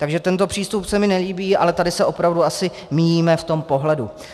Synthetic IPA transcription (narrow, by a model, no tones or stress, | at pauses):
t̪aɡʒɛt̪ɛnt̪opr̥iːst̪upsɛmɪnɛliːbiːʔa̰lɛt̪adɪsɛʔo̞pɾavduasɪ | mijiːmɛft̪o̞mpo̞ɦlɛdu